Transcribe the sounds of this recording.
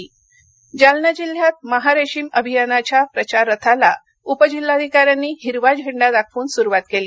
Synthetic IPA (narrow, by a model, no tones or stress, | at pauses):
d͡ʑalnəd͡ʑil̤ːjat̪̚məɦaɾeɕiːməbʱijanat͡ɕapɾət͡ɕaɾːət̪ʰala | upəd͡ʑilːad̪ʱikaɾjanːiːɦiɾʋad͡ʑɦiɳɖad̪akʰʋuːnsuɾuʋat̪̚keli